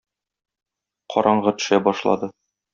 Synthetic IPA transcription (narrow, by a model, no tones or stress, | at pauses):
qʰɒ̰ɾʔɑɴʁɤt̪ɵ̥̆ʃæbɒʃlˠɑ̰d̪ɤ